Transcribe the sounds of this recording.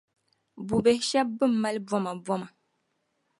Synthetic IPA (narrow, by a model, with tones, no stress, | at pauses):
bu˨bɛ˨hʃɛ˦b̚ːɨ˦˨m̩ː˦a˦lbɔ˦ma˨bɔ˦ma˨